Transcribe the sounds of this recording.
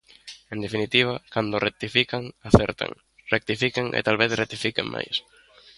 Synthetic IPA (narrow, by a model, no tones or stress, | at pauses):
end̪efinit̪iβ̞akand̪orek̚t̪ifikaŋaθɛɾt̪a̰ŋ | rek̚t̪ifikeŋḛt̪alβeθret̪ifikeŋmʔa̰js